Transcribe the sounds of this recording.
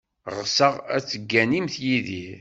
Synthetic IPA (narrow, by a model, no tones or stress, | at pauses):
ʁəsəʁæ̰t͡sːəɡːænimθjiði